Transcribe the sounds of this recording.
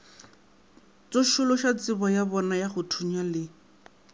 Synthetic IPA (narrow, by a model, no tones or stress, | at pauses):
t͡soʃʊlɔʃat͡sɪbɔjabɔnajaχʊtʰuɲalɪ